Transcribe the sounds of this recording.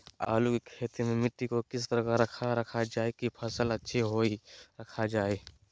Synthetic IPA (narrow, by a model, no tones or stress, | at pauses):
a̰ːlukikʰeːt̪imẽmɪʈːikokɪst̪əɾəkaɾəkʰaɾəkʰad͡ʒaːekipʰəsələtːʃʰeɦoiɾəkʰad͡ʒaːe